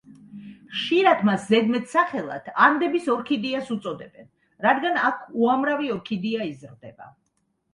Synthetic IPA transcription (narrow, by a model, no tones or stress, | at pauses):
ʃiɾat̪ʰmaszɛd̪mɛt̪ʰsaχɛlˠa̰t̪ʰaɾmd̪ɛbisɔɾkʰid̪iasut̪sʼɔd̪ɛbɛn | ɾad̪ɡanakʰuamɾaviɔɾkʰid̪iaizɾd̪ɛ̰ba̰